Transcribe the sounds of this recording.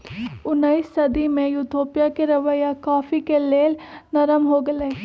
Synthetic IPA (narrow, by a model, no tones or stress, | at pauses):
ʊnːəisːɐd̪imẽjut̪ʰoːpijakeɾɐʋəjakaːfikeleːlnɐɾəmɦoɡɐle